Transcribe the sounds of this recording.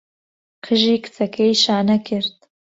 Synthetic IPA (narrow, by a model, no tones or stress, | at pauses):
qʰɨʒiːkʰɨ̥t͡sɐkʰɛjʃaːnɐkʰɪɾd̪̚